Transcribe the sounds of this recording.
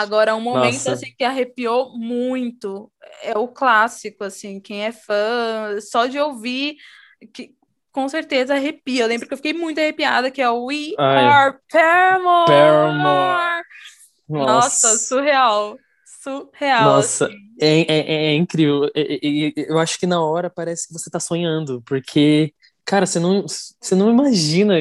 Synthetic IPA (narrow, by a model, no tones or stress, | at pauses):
aɡɔɾɐaũmonmẽt̪ʊɐasĩkɪaɦepiowmũj̃t̪ʊɛʊklasikʊasĩkẽj̃ɛfɐ̃sɔd͡ʒɪowvi | kɪ | kõseɾt̪ezɐaɦepiewlẽbɾʊpkewfikejmũj̃t̪ʊahepia̰d̪ɐkɪɛʊiapɛmopɛm̃ | nnɔɔsɐsuɦeaw | suheawnɔsɐ | ɛ̃ʔɛʔɛɛĩkɾiveewɛewaʃʊ̥kɪnɐɔɾɐpaɾɛsɪ̥kɪvoset̪asõɲɐ̃nd̪ʊpoɾkʰe | kaɾɐsenɐ̃w̃senɐ̃w̃imaʒĩnɐ